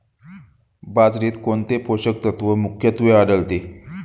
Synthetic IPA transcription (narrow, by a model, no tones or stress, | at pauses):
bad͡zɾiːt̪koɳt̪epoɕək̚t̪ət̪ʋəmukʰjət̪ʋeaɽəlt̪e